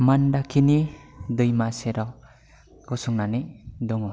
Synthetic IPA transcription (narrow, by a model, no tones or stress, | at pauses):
mandakʰinid̪ɯjmaseɾɔ | ɡɔsuŋnanidɔŋɔ